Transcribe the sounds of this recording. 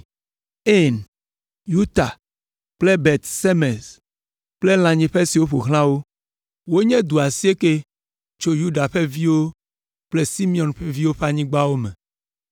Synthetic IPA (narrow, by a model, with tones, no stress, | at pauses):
e˦˨n | ju˦t̪a˨ | k͡ple˦bɛ˨t̪se˦mɛ̃˨s | k͡ple˦l̃ã˨ɲĩ˨ɸe˦si˨wo˦ɸo˨xl̃ã˦wo˦ | wo˦ɲɛ̃˦d̪u˨a˨si˦e˦ke˦ | t͡ʃo˦ju˦ɖa˨ɸe˦vi˦wo˦ | k͡ple˦si˦mĩ˦˨ɔ̃˨nɸe˦vi˦wo˦ɸa˦ɲĩ˦ɡ͡ba˦wo˦mɛ̃˨